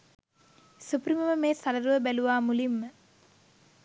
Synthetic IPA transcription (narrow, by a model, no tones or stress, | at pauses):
supriməməmeːsaləɾuʋəbæluʋaːmulimːə